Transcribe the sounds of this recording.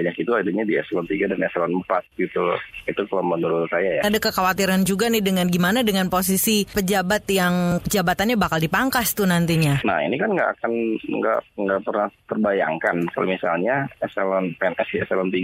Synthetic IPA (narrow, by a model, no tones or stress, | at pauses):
ɲakit̪uadaɲadiɛ̰sɛlɔnt̪iɡadanɛsɛlɔnm̩pat̪̚ɡit̪uit̪ukalamənuɾusajajaadakəkawat̪iɾand͡ʒuɡanɪdəŋanɡimanadəŋanpos̬isipəd͡ʒabat̪jaŋpəd͡ʒabat̪anɲabakaldipaŋkast̪unant̪iɲana̰hḭnikanŋɡa̰ʔa̰kanŋɡa̰ʔŋɡaʔpərnaht̪ərbaja̰ŋkanka̰lo̰misa̰lɲaɛsɛlɔnpeɛnʔɛsdiɛsɛlɔnt̪iɡ